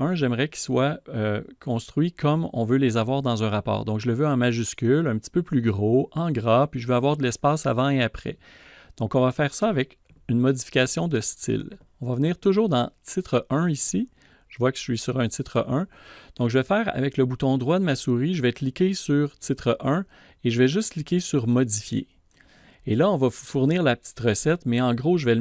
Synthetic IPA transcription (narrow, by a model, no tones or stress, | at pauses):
œ̃ʒɛmʁɛkʲi̥swaøkʰɔ̃st̪χɥikʰɔmɔ̰̃vølezavwaːʁd̪ɑ̃zœ̃ʁapɑ̰ːʁd̪ɔ̃kʒələvøɑ̃maʒyskʲylɛ̃pət̪i̥pøplyɡʁoɑ̃ɡʁapɥiʒəvøavwaːʁd̪əlɛspaːsa̰vɑ̃eapχɛ̰ | d̪̥ɔ̃kɔ̃vafɛːʁsʌːvɛk | ynmɔd̪d͡zifi̥kʲasjɔ̃d̪əst̪ɪ̰l | ɔ̃vavəniːʁt̪ʊʒuːʁd̪ɑ̃t̪ʰɪt̪χəʔœ̃isi | ʒ̥əvwakə̥ɥisyʁɛ̃t̪ɪt̪χəʔœ̃d̪̥ɔ̃kʒəvɛfɛːʁa̰vɛkləbut̪ɔ̃d̪ʁwad̪əmasuʁiʒəvɛklikʲesyʁt̪ɪt̪χəʔœ̃ | eʒəvɛʒʏst̪klikʲesyʁmɔd̪d͡zifjḛ | elʌɔ̃vafuʁniːʁlapə̥t̪i̥t̪ʁəsɛt̪mɛɑ̃ɡʁoʒəvɛ